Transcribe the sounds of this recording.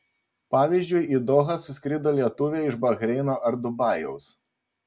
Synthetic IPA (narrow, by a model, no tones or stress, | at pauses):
pɑːʋʲiːˑzʲd͡ʒʲʊɪid̪ɔːɣɐsʊsʲkʲɾʲɪd̪oːlʲiɛt̪ʊʋʲeːɪʒbɐɣɾʲɛɪnoːʔɐɾd̪ʊbɑːˑjɛʊs